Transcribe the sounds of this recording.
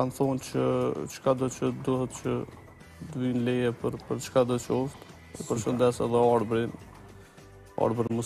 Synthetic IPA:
kanθɔnt͡ʃət͡ʃkad̪ɔt͡ʃəd̪uhɛt̪t͡ʃə | d̪vinlɛjɛpəɾpəɾt͡ʃkad̪ət͡ʃəɔft̪ | ɛ̰pəɾʃənd̪ɛsɛðɛaɾbɾin | a̰ɾbɾmə

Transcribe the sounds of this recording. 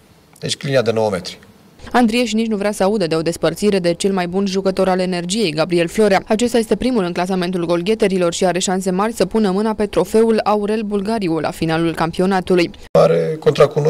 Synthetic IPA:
et͡ʃklinead̪e̞nowəme̞̰t̪ɾi̥ | and̪ɾieʃ̬init͡ʃnuvɾeasəaud̪əd̪e̞o̞d̪e̞spərt̪siɾe̞d̪e̞t͡ʃe̞lmajbunʒukət̪o̞ɾale̞ne̞rd͡ʒije̞jɡabɾie̞lflo̞ɾeaat͡ʃe̞st̪aje̞st̪e̞pɾimulɨnklas̬ame̞nt̪ulɡo̞lɡʲe̞t̪e̞ɾilo̞rʃiaɾe̞ʃans̬e̞marʲsəpunəmɨnape̞t̪ɾo̞fe̞ulauɾe̞lbulɡaɾiulʔa̰finalulkampio̞nat̪uluj | aɾeko̞nt̪ɾakuno

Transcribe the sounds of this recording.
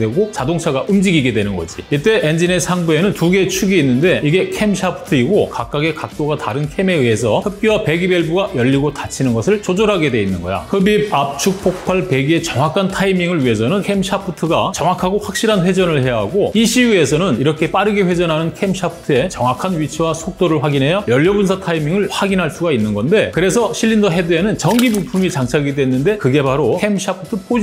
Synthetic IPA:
dwe̞ɡot͡ɕadoŋt͡ɕʰaɡaʔɯmd͡ʑiɡiɡe̞dwe̞nɯnɡʌ̰d͡ʑḭit͈e̞ʔend͡ʑinesʰaŋbue̞nɯntuɡe̞t͡ɕʰuɡiːnːɯnde̞iɡe̞kʰe̞mɕʰapʰɯ̥tʰɯiɡokak͈̚aɡe̞kak̚t͈oɡataɾɯnkʰe̞me̞iɦe̞sʰʌhɯp̚p͈jiape̞ɡibeɭbuɡajʌʎːiɡotat͡ɕʰinɯnɡʌsʰɯɭt͡ɕod͡ʑoɾɦaɡe̞dwe̞inːɯnɡʌjo̰hɯbib̚ap̚t͡ɕʰuk̚pʰok̚pʰaɭpe̞ɡie̞t͡ɕʌŋakʰantʰaimiŋɯɭɥiɦe̞sʰʌnɯnkʰe̞mɕʰapʰɯtʰɯɡat͡ɕʌŋwakʰaɡoɸwak̚ɕ͈iɾɦanɸwe̞d͡ʑʌnɯɭhe̞jaɦaɡoiɕʰijue̞sʰʌnɯniɾʌkʰe̞p͈aɾɯɡeɸwe̞d͡ʑʌnɦanɯnkʰe̞mɕʰapʰɯ̥tʰɯe̞t͡ɕʌŋwakʰanɥit͡ɕʰiwasʰok̚t͈oɾɯɭɸwaɡinɦe̞jajʌʎːʌbunsʰatʰaimiŋɯɭɸwaɡinɦaɭs͈uɡainːɯnɡʌnde̞kɯɾe̞sʰʌɕʰiʎːindʌɦe̞dɯenɯnt͡ɕʌŋɡibupʰumit͡ɕaŋt͡ɕʰaɡidwe̞nːɯnde̞kɯɡe̞baɾokʰemɕʰapʰɯ̥tʰɯpʰo

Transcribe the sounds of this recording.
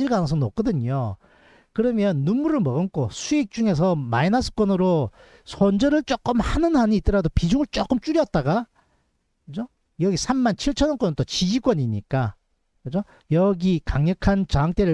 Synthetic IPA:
iɭɡanɯʌs̬ʰʌnok͈ʌdɯɲo | kɯɾʌmjʌnːumːuɾɯɭmʌɡɯnk͈ʰosʰuik̚t͡ɕ͈uŋe̞s̬ʰʌmainasʰɯ̥k͈wʌnɯɾo | sʰond͡ʑʌɾɯɭt͡ɕ͈ok͈ɯmhanɯnɦaɲiit͈ʌɾadopid͡ʑoŋɯɭt͡ɕ͈ok͈ɯmt͡ɕ͈uɾjʌt̚t͈aɡa | kɯd͡ʑo | jʌɡisʰamːant͡ɕʰiɭt͡ɕʰʌnʌnk͈wʌnt͈ot͡ɕid͡ʑikwʌɲiɲik͈a | kɯd͡ʑo | jʌɡikaŋɲʌkʰant͡ɕaɦaŋt͈eɾɯɭ

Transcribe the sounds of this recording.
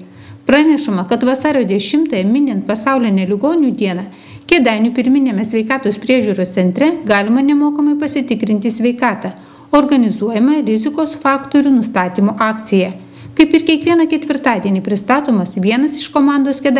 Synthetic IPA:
pɾɑnʲɛʃʊmɐkɐt̪ʋɐsɑːɾʲoːd̪ʲɛʃʲɪmt̪ɐːjɛmʲɪnʲɛnt̪̚pɐsɑˑʊlʲɪnʲɛlʲɪɡoːnʲuːd̪ʲiɛnɐ | kʲɛd̪ɑˑɪnʲuːpʲɪɾʲmʲɪnʲemʲɛsʲʋʲɛɪkɑːt̪oːspʲɾʲiɛʒʲuːɾoːst̪ʲɛnʲt̪ʲɾʲɛɡɑːlʲɪmɐnʲɛmoːkɐmɐɪpɐsʲɪt̪ʲɪkɾʲɪnʲt̪ʲɪsʲʋʲɛɪkɑːt̪ɑ | oɾɡɐnʲɪzuɔjɛmɐɾʲɪzʲɪkoːsfɑːkt̪oɾʲuːnʊst̪ɑːt̪ʲiːmoːʔɑːkt̪sʲɪjɛ | kɐɪpɪɾkʲiɛkʋʲiɛnɐkʲɛt̪ʲʋʲɪɾt̪ɑːd̪ʲiɛnʲiːpʲɾʲɪst̪ɑːt̪oːmɐsʋʲiɛnɐsɪʃkoːmɑˑnd̪oːskʲɛd̪

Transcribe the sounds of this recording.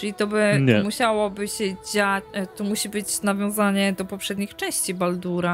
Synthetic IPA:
t͡ʂɘlʲit̪ɔbɘɛmuɕawɔbɘɕɛd͡ʑat̪ɔmuɕibɘt͡ɕnavʲjɔ̃w̃zaɲɛd̪ɔpɔpʂɛd̪ɲixt͡ʂɛ̃w̃ɕt͡ɕibald̪uɾa

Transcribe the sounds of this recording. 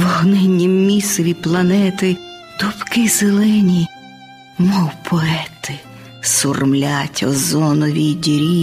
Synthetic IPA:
ʋɔɦnɛnʲːimːʲisɔʋʲiplˠɐnɛt̪ɪ | t̪ʊpkɪzelˠɪnʲi | mɔwpʰɔɛt̪ɪ | sʊrmlʲatʲɔ̰zɔnɔʋʲid̪ʲɾʲi

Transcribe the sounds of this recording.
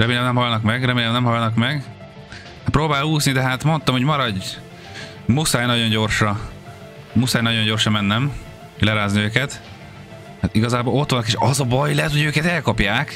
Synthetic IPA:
rɛmeːlɛmnɛmɦɒlnɒkmɛɡrɛmeːlɛmnɛmɦɒlnɒkmɛɡ | ht̪pɾoːbaːluːsnid̪ɛɦaːt̪mo̞nt̪ɒmho̞ɟmɒɾɒɟ | musaːjnɒɟo̞ɲɟo̞rʃɒ | musaːjnɒɟo̞ɲɟo̞rʃɒmɛnːɛm | lɛɾaːzniøːkɛt̪ | mɛt̪iɡɒzaːboːlo̞t̪ʋɒnːkeːʃɒzɒbɒjlɛt̪ho̞jøːkɛt̪ɛlkɒpjaːk

